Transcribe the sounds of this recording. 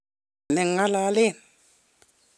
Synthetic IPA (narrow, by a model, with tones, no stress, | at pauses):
ne˨ŋa˦la˦le˦˨n